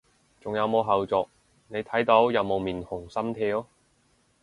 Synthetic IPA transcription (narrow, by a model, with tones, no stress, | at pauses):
t͡sʊ˨ŋjɐ˨˧wmo˨˧wɦɐ˨wt͡sɔː˨k̚ | ne˨˧jt̪ʰɐ˨˥jt̪o˨˥wjɐ˨˧wmo˨˧wmiː˨˩nhʊ˨˩ŋsɐ˥mt̪ʰeː˧ɔ˥